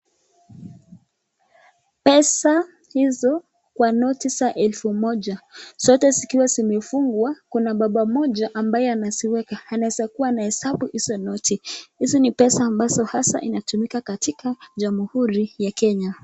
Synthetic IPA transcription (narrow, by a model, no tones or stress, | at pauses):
pɛsa | hizɔ | kwanɔtisaʔɛlfumɔʄasɔtɛzikiwazimɛfuŋɡwakunaɓaɓamɔʄaʔambajɛanasiwɛkahanaɛsakuwanahɛsaɓuhisɔnɔtihizɔnipɛsaːmbazɔhasa̰ʔḭnatumikakatikaʄamuhuɾijakɛɲa